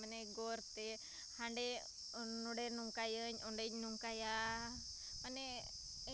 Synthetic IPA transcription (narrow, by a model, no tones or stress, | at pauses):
məneɡoɾt̪e | haɳɖe | nuɽenuŋkajəɲuɳɖeɲnuŋkaja | məne